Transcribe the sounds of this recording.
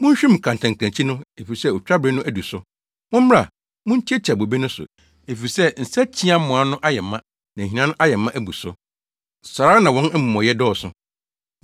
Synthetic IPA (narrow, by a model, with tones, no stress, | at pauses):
mʊ̃˦ɲ˦ɕᶣĩ˦m˨kʰã˨n˨tʰã˨ŋ˨kʰæ̃˨t͡ɕʰi˦nʊ̃˦e˨fi˨ɾi˨sɛ˦o˨t͡ɕᶣa˦bɾɪ˦nʊ̃˦ʔæ˦du˨sʊ˦ | mʊ̃˦m˦m˦a˨ | mʊ̃˦n̩˦t͡ɕʰi˦ɛ˦t͡ɕʰa˨bo˨be˦nʊ̃˦sʊ̰˨ | e˨fi˨i˨sɛ˦n̩˨sa˦t͡ɕʰĩ˦a˦m˦mʊ̃˨a˦nʊ̃˦ʔa˦jɛ˨mːã˦ | nã˨i˨nã˦nʊ̃˦ʔa˦jɛ˨˦mːã˦ʔæ˦bu˨sʊ˦ | sa˨ɾa˦nã˨wɔ̃˦n˦m̩˦mɔ̃˨jɛ˦dɔː˦˨sʊ˨